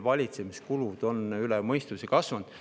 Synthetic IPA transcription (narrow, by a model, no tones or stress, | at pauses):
vɑlʲit̪semiskulud̪̥o̞nylɛmɤjst̪usekɑsvɑnd̪̥